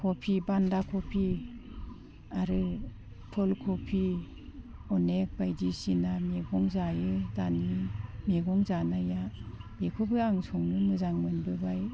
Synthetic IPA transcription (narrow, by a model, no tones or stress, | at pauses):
kʰopʰibandakʰɔpʰi | aɾɯ | tʰɔlkʰɔpʰi | ɔnek̚bajdisinameɡɔŋzajɯzanimeɡɔŋzanajabekʰɔbɯaŋsʰɔŋnɯmɯzaŋmɯnbɯbaj